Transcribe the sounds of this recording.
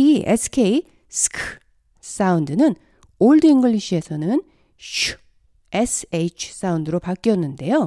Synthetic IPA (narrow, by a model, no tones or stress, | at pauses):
iʔeskʰei | skʰ | saund̪ɯnɯn | oɭd̪ɯiŋɡɯɭiɕiesʰʌnɯn | ɕ | eset͡ʃʰs͈aund̪ɯɾopak͈iʌnːɯnd̪e̞jo